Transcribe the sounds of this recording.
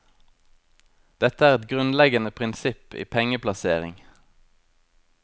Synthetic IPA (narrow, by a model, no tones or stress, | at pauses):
d̪̥ɛt̪əæːʁɛt̪ɡʁʉnlɛɡənəpʰʁɪnsɪpḭːpʰɛŋəplɑseːʁɪ̰ŋ